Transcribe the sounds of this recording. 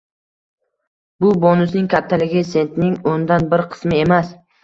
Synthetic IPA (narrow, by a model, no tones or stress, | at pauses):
bʊbɒnʊsnɪŋkʲʰap̚t̪ʰːalɪɡʲɪse̞nt̪nɪŋond̪anbɪɾqʰɨ̥smɪe̞mas